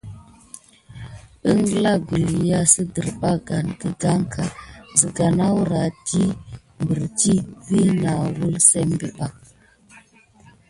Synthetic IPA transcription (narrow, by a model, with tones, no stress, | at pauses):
ə˦ŋɡla˦ɡu˨li˨ja˦sə˦də˨ɾɓa˦ɡa˨nɡə˨ɡa˦ŋkʰa˨zə˨ɡa˨na˦wɾa˨ti˦ | mbə˨ɾti˦vi˦na˨wu˦lse˦mbə̰˨ɓa˨